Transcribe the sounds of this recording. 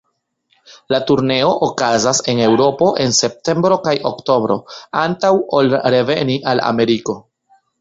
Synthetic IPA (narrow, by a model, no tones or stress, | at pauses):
latuɾne̞o̞ʔokazase̞ne̞wɾo̞po̞ʔe̞nse̞p̚te̞mbɾo̞kajʔo̞kto̞bɾo̞̰antawo̞lɾe̞ve̞̰niʔala̰me̞ɾiko̞